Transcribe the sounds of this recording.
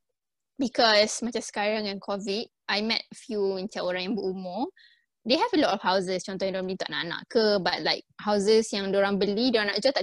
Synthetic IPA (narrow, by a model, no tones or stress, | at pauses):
bikɔsmat͡ʃamsə̥kaɹaŋɛ̃nkʰɔvit̚ʔajmɛ̰t̚fjuint͡ʃaoɾãŋjaŋbəʔumɔ | deɦɛvəlɔtɔfhawzəst͡ʃɔnt̪ɔhjãŋdoɾãmbəlit̪a̰ʔna̰ʔna̰ʔkəbat̚laɪk̚hawzəsjaŋdoɾãŋbəlidoɾãnaʔd͡ʒat̪a